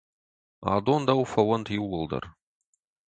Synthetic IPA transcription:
a̰ːd̪ond̪ɐwfɐwɐnt̪ʰjɪwːəlˠd̪ɐ̰r

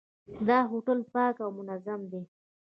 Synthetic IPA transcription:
d̪ɑɦoʈəlpɑkawmʊnazamd̪e

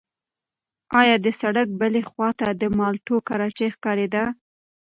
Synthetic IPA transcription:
ɑjɑd̪əsaɽak̚bəlexwɑt̪ad̪əmɑlʈokaɾɑt͡ʃexkɑɾed̪a

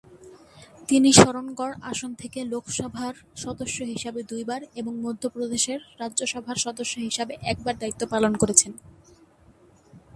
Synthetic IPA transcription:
t̪iniʃɔɾonɡɔɽaʃont̪ʰekelokʰʃɔbʱaɾʃɔd̪oʃːoɦiʃabed̪ujbaɾeboŋmod̪ʱːopɾod̪eʃeɾːadʑoʃɔbʱaɾʃɔd̪oʃːoɦiʃabeʔɛk̚baɾd̪ait̪ːopalonkoɾet͡ɕʰen

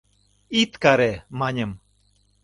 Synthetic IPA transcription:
it̪kaɾemaɲəm

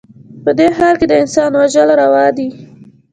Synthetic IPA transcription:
pəd̪eɦɑɾked̪əɪnsɑnwaʒəlɾawɑd̪i

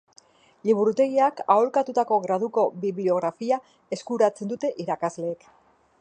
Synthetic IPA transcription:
liβuɾut̪e̞ɣiakaolkat̪ut̪ako̞ɣɾað̞uko̞βiβlio̞ɣ̞ɾafia | e̞skuɾat͡se̞nd̪ut̪e̞ʔiɾakazle̞ːk

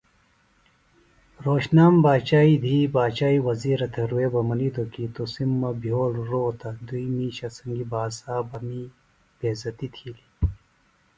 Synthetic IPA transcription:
ɾoːɕnaːmbaːt͡ɕaːid̪ʱiːbaːt͡ɕaːiwɐziːɾɐt̪ʰɐɾuweːbɐmɐlid̪okit̪osimːɐbʱjoːlɾoːt̪ʰɐd̪uimiːɕɐsɐŋɡibaːsaːbɐmi | b̥eːzɐt̪it̪ʰiːli

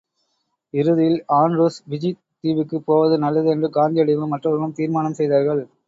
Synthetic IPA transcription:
ɪɾɯðɪjɪlaːnɾuːsʋɪd͡ʒi | t̪ːiːʋɪkːɯpoːʋɐðɯnɐlːɐðɯɛndrɯɡaːnd̪ijɐɽɪʋɯmːɐʈrɐʋɾɐmɯmt̪iːɾmaːnɐmsɛjðaːɾɣɐɭ

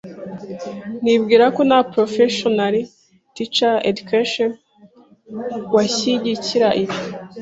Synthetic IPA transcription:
nibɡiːɾako̞napɾofeʃonaɾi | tit͡ʃaḛdukaʃon | waɕiɟiciɾaʔiβjo

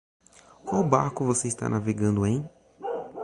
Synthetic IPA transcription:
kwawbaɾkʊvoseist̪a̰naveɡɐ̃nd̪ʊẽj̃

